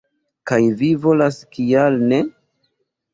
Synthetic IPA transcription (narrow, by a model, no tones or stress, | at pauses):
kajvivo̞laskialne